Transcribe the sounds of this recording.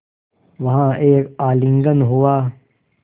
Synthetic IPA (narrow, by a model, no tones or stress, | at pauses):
ʋɐɦãeːkaːlɪ̃ŋɡənɦuaː